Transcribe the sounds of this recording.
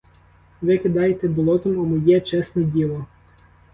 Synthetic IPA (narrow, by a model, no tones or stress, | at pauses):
ʋɪkɪd̪ɑjt̪ɛbɔlˠɔt̪ɔmɔmɪjɛt͡ʃɛsnɛdʲilˠɔ